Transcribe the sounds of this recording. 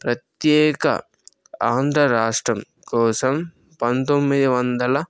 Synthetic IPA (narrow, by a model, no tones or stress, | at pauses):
pɾɐt̪jɛːkɐ̰ | aːnd̪ɾɐɾaːʂʈɾɐm | kɔːsɐm | pɐnt̪omːid̪iʋɐnd̪ɐlɐ